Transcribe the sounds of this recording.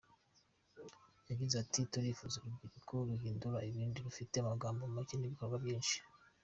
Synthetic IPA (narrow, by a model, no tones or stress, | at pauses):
jaɡizatituɾiːfuzuɾubɡiɾikʰoɾuhiːnduɾaiβiːndiɾufite̞amaɡaːmbomumakeniβikoɾɡwabjiːnʃi̥